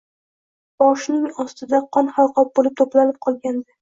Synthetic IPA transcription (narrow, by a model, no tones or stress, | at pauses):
b̥ɒʃnɪŋɒst̪ɪd̪aqʰɒnhalˠqʰɒp̚bolɪp̚t̪ʰoplanɪp̚qʰɒlˠɡʲand̪ɪ